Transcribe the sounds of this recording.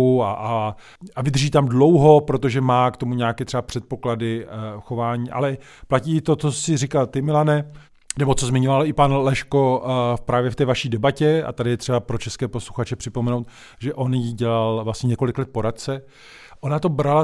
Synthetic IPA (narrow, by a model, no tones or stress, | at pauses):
uaʔa | avɪd̪r̩ʒiːt̪amdlo̞wɦo̞pɾo̞t̪oʒɛmaːkt̪o̞muɲaːkɛːt̪r̥ɛbapr̝̥ɛt̪̚po̞kladɪxo̞vaːɲiːʔa̰lɛ | placiːɪt̪o̞t͡sosɪrɪkalt̪ɪmɪlanɛ | nɛbo̞t͡so̞zmɪɲʊlalɪpanlɛʃko̞pɾaːvjɛft̪ɛːvaʃiːdɛbacɛa̰t̪adɪjɛt̪r̝ɛbapɾo̞t͡ʃɛskɛːpo̞sluxat͡ʃɛpr̝̥ɪpomɛnowt̪ | ʒɛʔo̞njiɟɛlalvlasɲɛɲɛko̞lɪklɛt̪̚po̞ɾat̪̚t͡sɛ | ʔo̞nat̪o̞bɾala